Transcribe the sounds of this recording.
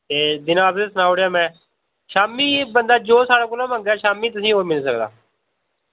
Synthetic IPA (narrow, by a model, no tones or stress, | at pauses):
t̪eːd̪ɪnãːəpd̪eːsənaːoɽeaːmɛ̃ː | ʃaːmiːbənd̪aːd͡ʒoːsaːɽaːkoːlãːmə̃ŋɡɛːʃaːmiːt̪̬ʊsĩːɦoːɾmɪlsəkd̪a̰ː